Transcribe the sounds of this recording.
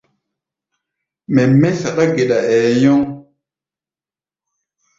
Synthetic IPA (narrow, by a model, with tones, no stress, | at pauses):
mɛ˨mɛ˦sa˨ɗa˦ɡe˨ɗa˨ɛː˨jɔ˦ŋ